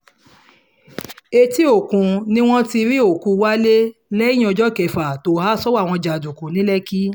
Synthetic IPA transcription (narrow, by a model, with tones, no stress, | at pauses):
e˧ti˦o˨kũ˧nĩ˦w̃ɔ̃˦ti˧ɾi˦o˦˨kũ˨˧wa˦le˦lɛ̃˦ɔ˧d͡ʒɔ˦kɛ˨fa˨to˨˦ha˦sɔ˦wa˦˨w̃ɔ̃˧d͡ʒa˨du˨kũ˨nĩ˨˦lɛ˦ki˦